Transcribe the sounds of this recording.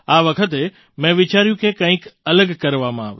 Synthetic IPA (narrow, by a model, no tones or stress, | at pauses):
aːʋɐkʰət̪̬e | mɛ̃ʋɪt͡ɕaːɾijũkʰekãːɦɪ̃kɐləɡkɐɾʋamãaːʋḛ